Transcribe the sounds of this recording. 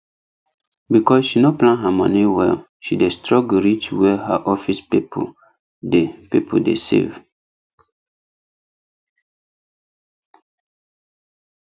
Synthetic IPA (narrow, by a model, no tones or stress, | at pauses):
bikɔsʃinoplãnɦamɔ̃niwɛ̰l | ʃidestɹɔɡɹit͡ʃwɛha̰ʔɔfispipʰo̰ | depipʰodḛsḛv